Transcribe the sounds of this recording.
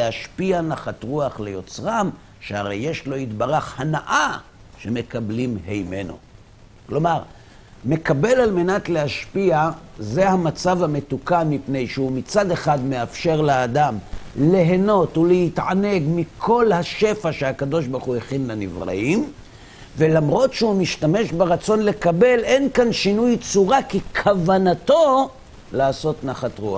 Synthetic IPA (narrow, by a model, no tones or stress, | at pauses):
eaʃpianaχat̪ʁuaχlejo̞t͡sʁam | ʃeaʁe̞jːe̞ʃlo̞itbaʁaχhanaʔa | ʃe̞me̞kablimhejme̞no̞̰ | klo̞maʁ | me̞kabe̞lalme̞nat̪lehaʃpiaze̞hamat͡savhamet̪ukanmːipne̞jʃeumit͡sad̪e̞χadme̞afʃe̞ʁleːdamle̞ɦeno̞tulehitʕane̞ɡmikʰo̞lhaʃe̞faʃeakad̪o̞ʃbaʁχueχinlenḭvʁa̰im | ve̞lamʁo̞tʃeumiʃtame̞ʃbeʁat͡so̞nle̞kabe̞lenkanʃinujt͡suʁakikʰavanato̞ | laːso̞tnaχatʁua̰χ